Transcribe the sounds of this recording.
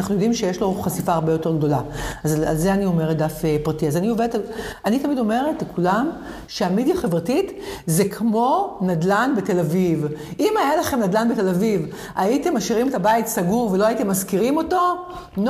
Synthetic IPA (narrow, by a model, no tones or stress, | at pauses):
naχnujo̞dimʃejeʃlo̞χasifaaʁbejo̞te̞ʁɡdo̞laaza̰lzeanio̞me̞ʁet̚d̪afepʁatiazanio̞veetalanitamido̞me̞ʁetkʰulam | ʃeamidjaχe̞vʁatit | zekʰmo̞nadlanbete̞lavivʔimajalaχemnadlanbetelaviv | aite̞maʃiʁimetabaitsaɡuvelo̞aite̞mːazkiʁimo̞to̞ | n